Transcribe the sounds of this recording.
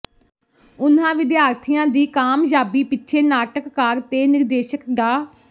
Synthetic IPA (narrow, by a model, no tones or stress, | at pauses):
ʊnãːʋɪd̪jaːɾt̪ʰɪjãːd̪iːkaːmd͡ʒaːbiːpɪtːʃʰeːnaːʈəkːaɾt̪eːnɪɾd̪eːʃəkɡaː